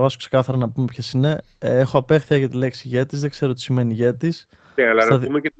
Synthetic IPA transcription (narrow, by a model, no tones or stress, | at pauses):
vɐso̥kse̞kɐθɐɾɐnɐpume̞pçesine̞ | exoɐpe̞xθiɐʝɐt̪ile̞ksiʝet̪izðe̞ɡ̥ze̞ɾot̪i̥sime̞niʝet̪is | eɐlɐðumee